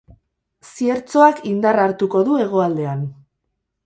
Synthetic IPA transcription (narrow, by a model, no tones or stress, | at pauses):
sie̞ɾt͡so̞akind̪araɾt̪uko̞ðue̞ɣ̞o̞ald̪e̞an